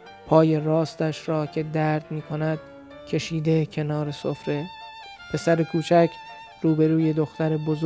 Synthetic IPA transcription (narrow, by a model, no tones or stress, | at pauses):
pʰɒːje̞rɒːst̪æʃɾɒːcʲʰe̞d̪æɾd̪̥miːkʰo̞næd̪̥̚ | cʲʰe̞ʃiːd̪ecʰe̞nɒːɾe̞sofɾe | pʰe̞sæɾekʰuːt͡ʃʰæcʰ | ɾuːbe̞ɾuːje̞d̪oxt̪æɾeboz